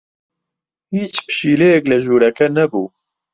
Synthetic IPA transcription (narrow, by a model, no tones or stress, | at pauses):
hiːt͡ʃpɨ̥ʃiːlɛjɛklɨʒuːɾɛkɛnɛbuː